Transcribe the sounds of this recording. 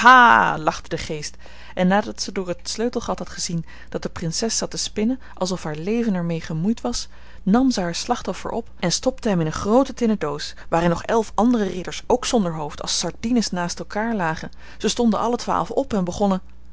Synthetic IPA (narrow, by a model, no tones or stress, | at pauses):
haːlɑχtədəχejst | ʔɛnːaːdɑtsədʊːɹətsløɥtl̩ˠχɑtɦɑtχəzin | d̥ɑt̚dəprɪnsɛsɑtəspɪnə | ʔɑlˠsɔfɦaːɹlejvənɛɹmejχəmujtʋɑs | nɑmzəɦaːɹslɑχtɔfə̰ɹʔɔ̰pɛnstɔptəɦɛmɪnənχrowtətɪnədowsʋaːɾɪnɔχɛlˠfɑndərərɪdəɹsowksɔndəɹɦowftɑ̰lˠsɑɹdinəsnaːstɛlˠkaːɹlaːχən | z̥əstɔndənʔɑlətʋa̰ːlˠfɔpɛnbəχɔnə